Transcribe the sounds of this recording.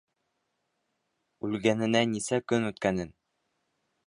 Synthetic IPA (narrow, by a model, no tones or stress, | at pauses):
ʉlɡænɘ̆nænisækɵnʉt̪kænɘn